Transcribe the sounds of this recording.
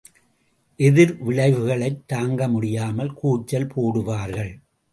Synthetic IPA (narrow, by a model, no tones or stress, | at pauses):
ʔɛðɪɾʋɪlɐɪʋɯɣɐɭɐɪt̪ːaːŋɡɐmʊɽɪjaːmɐlkuːt͡ʃːɐlpʰoːɽɯʋaːɾɣɐɭ